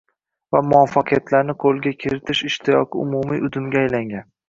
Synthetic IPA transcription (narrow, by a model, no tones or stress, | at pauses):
vamʊafːaqʰɨjat̪ʰlaɾnɪqʰolˠɡʲakʲʰeɾɪt̪ʰɪʃɪʃt̪ʰɪjɒqʰɨʊ̰mumiʔʊd̪ɪmɡʲaːjlaŋɡʲan